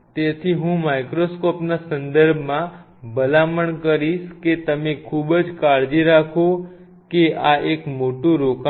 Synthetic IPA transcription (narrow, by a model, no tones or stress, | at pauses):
t̪et̪ʰiɦũmajkɾoskɔpnasənd̪əɾbʱmã | bəlaməɳkəɾiʃket̪əmekʰubd͡ʒkaɾd͡ʒiɾakʰo | keaʔekmoʈũɾoka